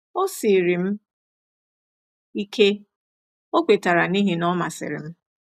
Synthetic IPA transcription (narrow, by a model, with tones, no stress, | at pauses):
o˦si˨ɾi˨m̩˦ | i˦kʰe˦ | o˦kʷe˨ta˨ɾa˨ni˦ɦe˨nɔ˦ma̰˨sɪ̰˨ɾɪ̰˨m̩˦